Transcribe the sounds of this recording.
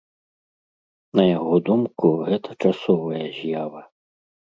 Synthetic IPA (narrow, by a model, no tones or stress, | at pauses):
nɐjaɣɔd̪umkuɣɛt̪ɐ̥t͡ʂasɔvɐjɐzʲjavɐ